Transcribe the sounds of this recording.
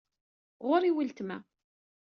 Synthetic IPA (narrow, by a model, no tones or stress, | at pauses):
ʁʊɾiwəlt̪mæ̰